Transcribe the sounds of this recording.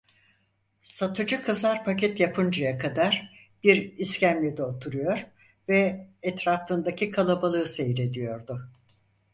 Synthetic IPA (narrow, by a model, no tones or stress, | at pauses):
sat̪ʰɯd͡ʒɯkʰɯzlaɾpʰacɛt̪japʰɯnd͡ʒajakʰad̪aɾ | b̥iɾiscʰæmlʲid̪ɛot̪ʰuɾujo̞ɾ | vɛɛt̪ɾaːfɯnd̪acʰikʰalˠabalˠɯːse̞jɾe̞d̪ijo̞ɾd̪ʊ